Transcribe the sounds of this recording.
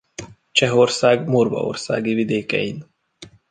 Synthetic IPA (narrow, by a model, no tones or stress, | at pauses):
t͡ʃɛɦo̞rsaːɡmorvɒ̰o̰rsa̰ːɡivid̪eːkɛ̰jin